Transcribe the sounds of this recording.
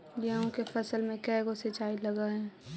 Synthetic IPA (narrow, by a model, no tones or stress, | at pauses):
jɐɦõkefɐsəlmẽkɛːɡosɪt͡ʃaːilɐɡaɦɛ̃ː